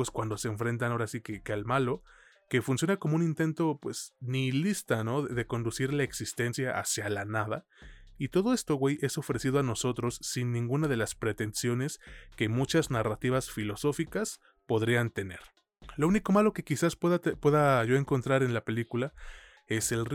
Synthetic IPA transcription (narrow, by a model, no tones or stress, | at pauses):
eskwand̪o̞se̞ːɱfɾe̞nt̪anaoɾasikekealmalo̞ | ke̞funsjo̞nakomo̞unint̪e̞nt̪o̞pwe̞snilist̪ano̞ðeðe̞ko̞nd̪usiɾlae̞ksist̪e̞nsjaʔa̰sjalanað̞a | it̪o̞ðo̞e̞st̪o̞ɣwe̞jʔe̞so̞fɾe̞siðoano̞so̞t̪ɾo̞sːinːĩŋɡunað̞e̞laspɾe̞t̪e̞nsjo̞ne̞ske̞mut͡ʃaznarat̪iβasfilo̞so̞fikas | po̞ðɾiant̪e̞ne̞̰ɾ | louniko̞malo̞ke̞kisaspeðapwe̞ðaʝo̞e̞ŋko̞nt̪ɾaɾe̞nlape̞likula | e̞se̞l